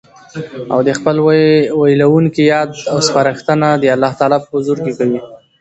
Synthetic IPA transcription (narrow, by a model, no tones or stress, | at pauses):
a̰wd̪əxpəlwajlawuŋkijɑd̪awspaɾəxt̪ənad̪əalːɑht̪ɑlɑpəʊzuɾkekawi